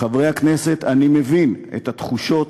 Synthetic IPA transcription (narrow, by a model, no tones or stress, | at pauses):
avʁejhaknese̞t̪animevinḛt̪at̪χuʃo̞t